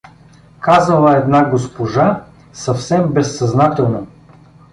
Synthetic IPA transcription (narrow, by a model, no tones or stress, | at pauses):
kazəlˠəɛd̪naɡospoʒa | sɐfsɛmbɛsːɐznat̪ɛlˠno